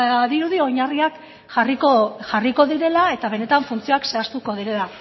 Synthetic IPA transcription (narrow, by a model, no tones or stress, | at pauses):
ðiɾuðio̞ɲariak | ʝarikoʝariko̞ðiɾe̞lae̞t̪aβe̞ne̞t̪aɱfunt͡sio̞akse̞ast̪uko̞ðiɾe̞la